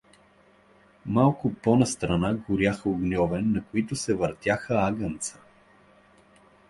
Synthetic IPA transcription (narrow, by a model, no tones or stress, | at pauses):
malˠkʊpɔnɐst̪ɾɐnaɡʊɾjaxəʊɡnʲɔvɛnːɐkoit̪ʊsɛvəɾt̪ʲjaxəaɡənt̪sə̥